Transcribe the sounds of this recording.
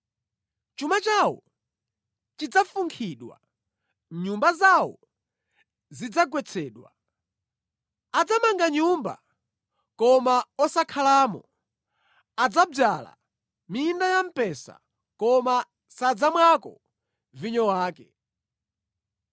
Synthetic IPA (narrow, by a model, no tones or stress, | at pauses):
t͡ʃumat͡ʃawɔ̰ | t͡ʃid͡zafuŋkʰiɗwa̰ | ɲumbazawɔ̰ | zid͡zaɡwɛt͡sʰɛːɗwa̰ | ad͡zamaŋɡaɲumba̰ | kɔmaɔsakʰalaːmɔ̰ | ad͡zab͡ʐala̰ | mindajam̩pɛsa̰ | kɔma | sad͡zamwakɔ̰ | viɲɔwaːkɛ